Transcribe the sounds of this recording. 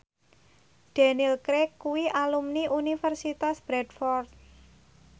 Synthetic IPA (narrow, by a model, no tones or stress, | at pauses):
ɖ̥ɛnilkɾɛkːuwiʔalumniʔunifərsit̪asb̥ɾɛdfɔrt̪̚